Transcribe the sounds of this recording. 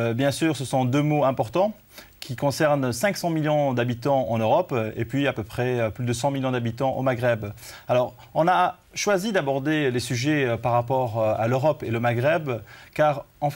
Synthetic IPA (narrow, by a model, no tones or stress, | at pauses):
bjɛ̃syːʁsəsɔ̃d̪ømoɛ̃pɔʁt̪ɑ̃ | kʰʲikɔ̃sɛʁnsɛ̃ksɑ̃miljɔ̃d̪abit̪ɑ̃ɑ̰̃nøʁɔpḛpɥiapøpχɛøplyd̪əsɑ̃miljɔ̃d̪abit̪ɑ̃ʔo̰maɡʁɛbalɔʁ | ɔ̃na | ʃwazid̪abɔʁd̪elesyʒɛøpaʁːapɔʁa̰løʁɔpeləmaɡʁɛbkaʁɑ̃f